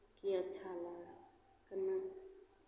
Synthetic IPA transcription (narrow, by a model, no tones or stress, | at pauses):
kiətːt͡ʃʰalakəna